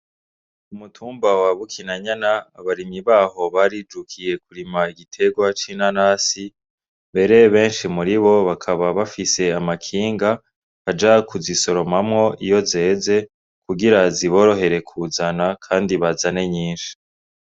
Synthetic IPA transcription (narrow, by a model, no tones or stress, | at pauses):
umutʰuːmbawaβukʰinaɲanaːβaɾimɲiβaːho̞βaɾid͡ʒukʰije̞kuɾimaiɡitʰe̞ɡwat͡ʃinanaːsi | mbe̞ɾe̞βe̞ːnʃimuɾiβo̞βakʰaβaβafise̞amakʰiːŋɡa | ad͡ʒakʰuziso̞ɾo̞mamŋo̞ijo̞ze̞ːze̞ | kuɡiɾaziβo̞ːɾo̞ɦe̞ɾe̞kʰuzanakʰaːndiβazane̞ɲiːnʃi̥